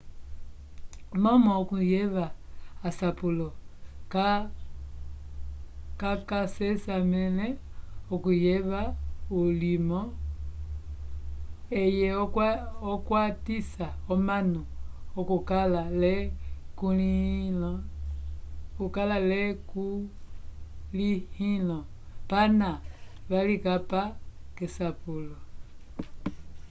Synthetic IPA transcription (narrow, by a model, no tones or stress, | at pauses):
mɔmɔːkujɛβaːsapulɔka | kakasɛsamɛlɛokujɛβaulimɔ | ejɛ | ɔkwatisaomanuokukalale | kulil | kukalaleku | lihilo | panaβalikapakesapulo